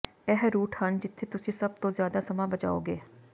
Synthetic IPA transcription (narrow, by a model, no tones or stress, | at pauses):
ɛɦɾuːʈhənd͡ʒɪt̪ʰːeːt̪ʊsĩːsəb̚t̪õːzjaːd̪aːsəmãːbəd͡ʒa̰ːo̰ːɡeː